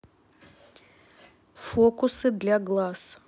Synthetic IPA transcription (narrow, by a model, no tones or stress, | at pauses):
fokʊsɨd̪lʲaɡlˠas